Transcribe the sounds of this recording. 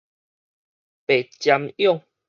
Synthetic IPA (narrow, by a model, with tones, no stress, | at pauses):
pe˨˩t͡ɕja˧mjɔ˥˨ŋ